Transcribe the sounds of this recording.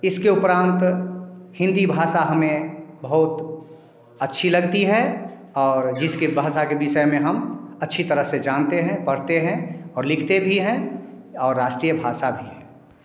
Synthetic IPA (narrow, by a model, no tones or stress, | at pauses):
ɪskeʊpɾãːnt̪ | hɪ̃nd̪ibʱaːsaɦɐmẽbɐɦʊt̪ | ətːʃʰilɐɡt̪iɦɛ | ɔːɾd͡ʒɪskebʱaːʃakebɪʃəemẽɦɐmɐtːʃʰit̪əɾəɦsed͡ʒaːnt̪eɦɛ̃pɐɽt̪eɦɛ̃ɔːɾlɪkʰt̪ebʱiɦɛ̃ | ɔːɾːaːʃʈɾiːjəbʱaːsabʱiɦɛ̃ː